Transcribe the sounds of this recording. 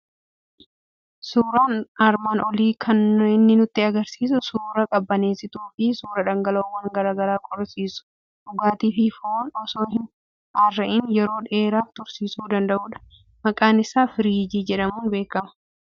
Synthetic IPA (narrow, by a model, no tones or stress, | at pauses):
suːɾaːnɐɾmaːnʔɔliːkʰɐnɪnːɪnʊt̪ːɪɐɡɐɾsiːs̬ʊsuːɾɐkʼɐbːɐne̞ːsɪt̪uːfɪsuːɾɐᶑɐŋɡɐloːwɐŋɡɐɾaːɡɐɾaːkʼɔɾsiːsʊ̥ | ᶑʊɡaːt̪iːfɪfɔoːnɔsoːhɪn | ɐrːɐʔɪnjɛɾo̞ːᶑeːɾaːft̪ʊɾsiːsuːd̪ɐnd̪ɐʔuːᶑɐ̥ | mɐkʼaːnɪsaːfɪɾiːd͡ʒiːd͡ʒɛᶑɐmuːnbe̞ːkɐmɐ̥